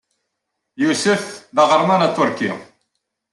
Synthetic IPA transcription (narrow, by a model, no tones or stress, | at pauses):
jusəfðəʁəɾˤmænat̪ːʊɾkḭ